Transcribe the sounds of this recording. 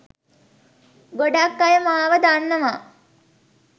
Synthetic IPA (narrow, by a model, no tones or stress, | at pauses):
ɡoɖakːajəmaːʋəd̪anːəma